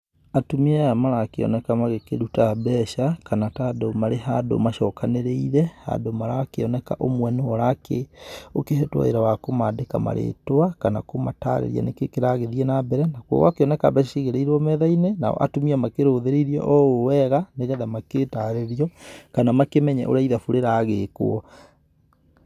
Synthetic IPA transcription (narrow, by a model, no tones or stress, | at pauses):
atomiɛamaɾakeɔ̰nɛkamaɣekeɾutabɛʃakanatadomaɾeɦado̰maʃɔkaneɾeiɾɛha̰ndomaɾakeɔnɛkaʔomwɛnoɔɾakeokeɦɛtwɔ̰eɾawakomadekama̰ɾʔḛtowakanakomata̰ɾḛɾia̰nekekeɾaɣeðiɛnabɛɾɛnakwɔ̰wakeɔnɛka̰bɛʃʃiɣeɾeiɾwɔmɛðainenaɔ̰ʔa̰tomiamakeɾoːðeɾeɾiɔ̰ʔɔowɛɣaneɣɛðamaketaɾeɾiɔkanamakemɛɲɛ̰ʔo̰ɾaiðafuɾeɾaɣeko̰ɔ